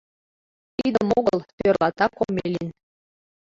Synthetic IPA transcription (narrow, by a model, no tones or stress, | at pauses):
t̪id̪ə̆moɡɤ̆lˠt̪ʲørlˠɑt̪ɑkomʲːeelʲinʲ